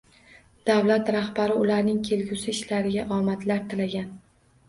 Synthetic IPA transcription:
d̪̥awlat̪ɾahbaɾɪʊlaɾnɪŋkʲʰe̞lɡʲʊsɪɪʃlaɾɪɡʲaʔɒmat̪laɾt̪ʰɪlaɡʲan

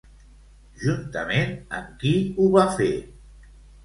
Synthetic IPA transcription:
ʒunt̪əmenəmkiuβafe

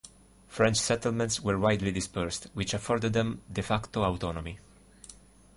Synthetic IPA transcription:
fɹɛ̃nt͡ʃsɛt̪əlmɛ̃ntswəɹwajd̪lid̪ɪspɛɹstwit͡ʃafɔɾd̪əd̪ðɛ̃md̪ɛfakt̪oawt̪ɔnɔmi

